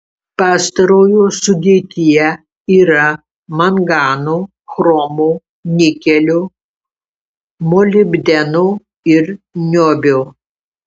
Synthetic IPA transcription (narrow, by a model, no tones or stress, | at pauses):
pɑːst̪ɐɾoːjoːsʊd̪ʲiɛt̪ʲɪjɛ | iːɾɐ | mɐŋɡɑːnuː | xɾɔmu | nʲɪkʲɛlʲo | mɔlʲɪbʲd̪ʲɛnuː | ɪɾnʲoːbʲo